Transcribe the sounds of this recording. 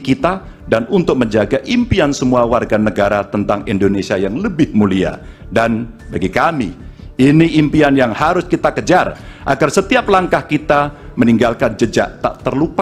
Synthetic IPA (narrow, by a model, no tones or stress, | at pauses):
kit̪a | danunt̪ʊk̚məɲd͡ʒaɡaʔimpiansəmuawarɡanəɡaɾat̪ənt̪aŋindonesiajaŋləbɪhmulia̰ | dan | baɡikamiiniʔːmpianjaŋhaɾʊskit̪akəd͡ʒarʔa̰ɡarsət̪iaplaŋkahkit̪aməniŋɡalkand͡ʒəd͡ʒa̰ʔt̪a̰ʔt̪ərlupa